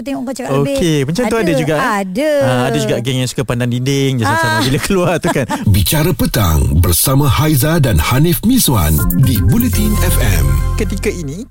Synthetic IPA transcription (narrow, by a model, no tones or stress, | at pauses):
t̪ŋɔ | okʰeməɲt͡ʃaŋuadəd͡ʒuɡaʔdaadəd͡ʒuɡaʔɡɛŋjaŋsu̥kapandandindɪŋd͡ʒasasamabiləkəluart̪ukanbit͡ʃaɾapət̪a̰ŋbərsamãhajzadanhanifmĩswa̰ndibulɛt̪inɛfɛ̰mkət̪ikainĩ